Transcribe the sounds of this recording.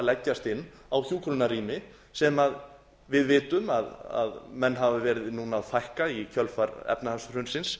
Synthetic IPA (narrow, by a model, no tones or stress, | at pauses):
lɛcːast̪ɪnː | awθjuːkʰɾunaɾiːmɪ | sɛmað | vɪðvɪːt̪ʏmaða̰ðmɛnːɦavɪvɛːɾɪðɪnuːnaðfajhkaicʰœlfaɾɛ̰pnahasʏr̥ʏnsɪns